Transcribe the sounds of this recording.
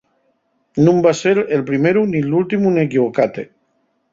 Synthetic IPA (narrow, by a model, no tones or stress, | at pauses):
nũmbaseɾelpɾimeɾunilult̪imunekiβokat̪e